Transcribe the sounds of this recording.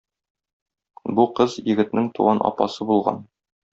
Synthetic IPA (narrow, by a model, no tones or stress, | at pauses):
buqɤzjɘ̆ɡɘ̆t̪nɘŋt̪uʁɑnʔɒ̰pɑ̰sɤbulˠʁɑ̰n